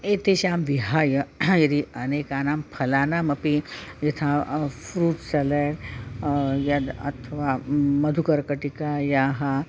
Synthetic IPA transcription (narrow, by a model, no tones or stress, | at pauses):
et̪eɕamʋiɦajəjɐd̪iɐnekanampʰɐlanamɐpijit̪ʰãfɾuːtsɐleɽ | jɐd̪ɐ̰t̪ʰʋamɐd̪ʱukɐɾkəʈikajaɦa